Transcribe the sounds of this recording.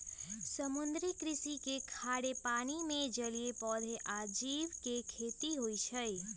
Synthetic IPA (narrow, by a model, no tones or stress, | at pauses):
səmund̪ɾikɾisikekʰaɽepanimẽd͡ʒəlijepɔd̪ʱeʔad͡ʒiʋkekʰet̪iɦojt͡ʃʰəj